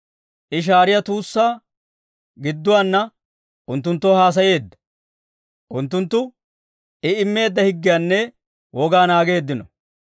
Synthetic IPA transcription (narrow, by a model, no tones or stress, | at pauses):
ʔɪʃ̬aːɾɪjɐt̪uːsːaː | ɡɪd̪ːʊwaːnːɐ | ʔʊnt̪̬ːʊnt̪ːɔhaːs̬ɐje̞ːd̪ːɐ̥ | ʔʊnt̪ːʊnt̪ːʊ | ʔɪɪmːe̞ːd̪ːɐhɪɡːɪjaːnːɛ | wʔɔɡaːnaːɡe̞ːd̪ːɪnɔ